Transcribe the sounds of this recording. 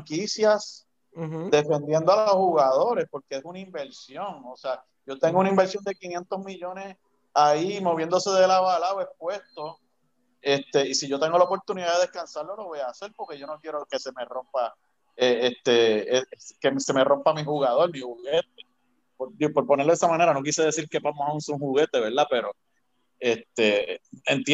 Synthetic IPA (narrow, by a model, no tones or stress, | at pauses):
aŋkisjas | d̪e̞fẽ̞nd̪jend̪oaloshuɣaðo̞ɾe̞spo̞ɾkeesunaimbe̞ɾsjo̞ŋosea | ɟ͡ʝo̞t̪eŋɡounaĩmbe̞ɾsjo̞nd̪e̞kinje̞nt̪o̞zmiʝo̞nes | aimo̞βje̞nd̪ose̞ðe̞laβalawespwe̞st̪o̞ | e̞st̪e̞isiʝo̞t̪e̞ŋɡolaopo̞ɾt̪uniðaðeðehkansaɾlo̞lo̞βojaːselpo̞ɾke̞ʝo̞nokjeɾoke̞se̞me̞ro̞mpa | eeht̪e̞eekemse̞me̞ro̞mpamihuɣaðo̞lmihuɣe̞t̪̚e | poɾd̪iopo̞ɾponeɾloesamãne̞ɾano̞k̬iseðe̞siɾke̞pamohaunsoŋhuɣe̞t̪eβe̞ɾd̪ape̞ɾo | et̪e̞ent̪